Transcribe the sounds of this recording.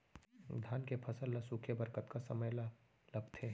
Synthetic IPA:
d̪ʱaːnkepʰɐsəlːasuːkʰebəɾkət̪kasɐməjla | lɐbʱt̪ʰeː

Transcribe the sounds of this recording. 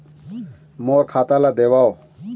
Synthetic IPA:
moːɾkʰaːt̪alad̪ewao

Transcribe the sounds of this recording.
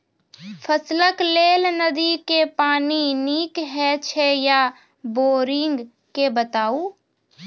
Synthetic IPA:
pʰəsləkleːlnəd̪ikepaːniniːkɦɛt͡ʃʰeja | boːɾɪŋɡ | kebət̪aːuː

